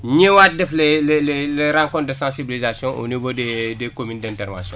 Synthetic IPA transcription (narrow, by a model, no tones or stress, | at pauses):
ɲewaːt̚dɛflelleleɾãŋkɔ̃nt̚dəsãsibilizasjɔ̃ʔo̰nivodedekomyndɛ̃ntɛɾvã̰ːsjɔ̃